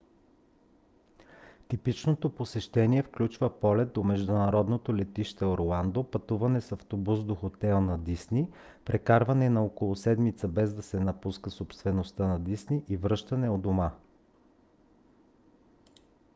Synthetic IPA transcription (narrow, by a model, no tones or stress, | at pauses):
t̪ipit͡ʃnot̪oposɛʃt̪ɛniɛfklʲut͡ʃvəpɔlɛt̪̚d̪omɛʒd̪unɐɾɔd̪not̪olɛt̪iʃt̪ɛoɾlˠand̪opɐt̪uvɐnɛsɐft̪obusd̪oxot̪ɛlˠnɐd̪isni | pɾʔɛkaɾvɐnɛnɐokolˠʊsɛd̪mit̪səbɛzd̪ɐsɛnɐpuskəsopst̪vɛnost̪ənɐd̪isniʔivɾɤʃt̪ɐnɛod̪oma